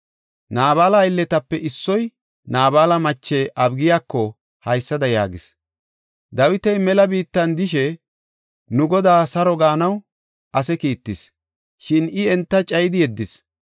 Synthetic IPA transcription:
naːβaːlɐɪlːɛt̪ɐpːɛʔɪsːɔj | naːbaːlɐmɐt͡ʃːɛʔɐbɡɪjaːkːɔ | hɐjsːɐd̪ɐja̰ːɡɪs | d̪ɐwɪt̪ɛjmɛlɐbiːt̪ːɐnd̪ɪʃɛ | nʊɡɔd̪aːsɐɾɔɡaːnɐw | ʔɐsɛkiːt̪ːɪs | ʃɪnɪɛnt̪ːɐt͡ʃʼɐjd̪ɪjɛd̪ːɪs

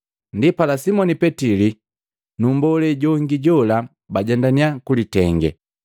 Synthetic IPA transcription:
ndipalasimɔnipɛtili | numbɔlɛɟɔŋɡiɟɔla | baɟandaniakulitɛŋɡɛ̰

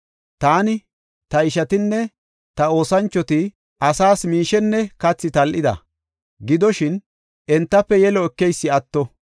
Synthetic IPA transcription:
t̪aːnɪ | t̪ɐɪʃɐt̪ɪnːɛ | t̪ɐo̞ːsɐnt͡ʃːɔt̪ɪ | ʔɐsaːsmiːʃɛnːɛkɐt͡sːɪt̪ɐlʔɪd̪ɐ̰ | ɡɪd̪ɔʃɪn | ʔɛnt̪ːɐpːɛjɛlɔɛkːɛjsːɪɐt̪ːɔ

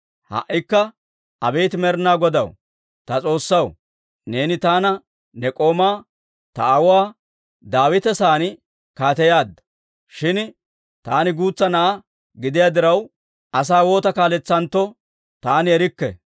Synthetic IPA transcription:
hɐ̰ʔːɪkːɐ | ʔɐbe̞ːt̪ɪmɛɾnaːɡɔd̪ɐw | t̪ɐt͡sʼo̞ːsːɐw | ne̞ːnɪt̪aːnɐ | nɛkʼo̞ːmaː | t̪ɐ̰ɐwaː | d̪aːwɪt̪ɛsaːnɪ | kaːt̪ɛjaːd̪ːɐ̥ | ʃɪn | t̪aːnɪɡuːt͡sːɐnɐʔɐ | ɡɪd̪ɪjaːd̪ɪɾɐw | ʔɐs̬aːwo̞ːt̪ɐkaːlɛt͡sːɐnt̪ːɔ | t̪aːnɪɛɾɪkːɛ̰

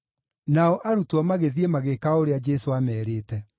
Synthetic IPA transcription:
naɔʔaɾutɔmaɣeðiemaɣekaoɾead͡ʒɛsoamɛːɾeːtɛ

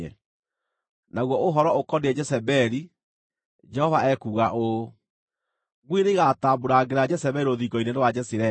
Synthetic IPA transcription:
ɛ | naɣwɔoɦɔɾɔokɔneɛd͡ʒɛsɛbɛɾi | d͡ʒɛhɔvaɛkuːɣaʔo | ɡwiɾeɣataːboɾaɡeɾad͡ʒɛsɛβɛiɾoðiɡɔinenewad͡ʒɛsiɾɛ

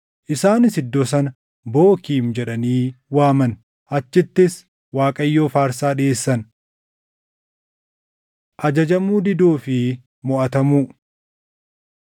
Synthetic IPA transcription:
ʔɪsaːnɪsɪd̪ːɔs̬ɐnɐ | bo̞ːkiːmd͡ʒɛᶑɐniːwaːmɐn | ʔɐt͡ʃːɪt̪ːɪs | waːkʼɐjːo̞ːfaːɾsaːᶑɪeːsːɐn | ʔɐd͡ʒɐd͡ʒɐmuːd̪ɪd̪uːfɪ | mɔʔɐt̪ɐmuː

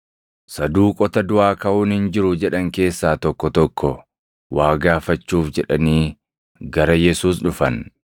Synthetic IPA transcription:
sɐd̪uːkʼɔt̪ɐd̪ʊaːkɐʔuːnhɪnd͡ʒɪɾʊd͡ʒɛᶑɐŋke̞ːsːaːt̪ɔkːɔt̪ɔkʰːɔ | waːɡaːfɐt͡ʃːuːfd͡ʒɛᶑɐniː | ɡɐɾɐjɛsuːs̬ᶑʊfɐn

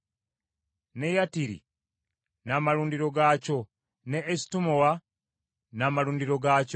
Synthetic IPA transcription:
ne̞jatiɾḭ | naːmaɾuːndiɾo̞ɡaːco̞ | neːsi̥tumowa | namaluːndiɾo̞ɡaːc

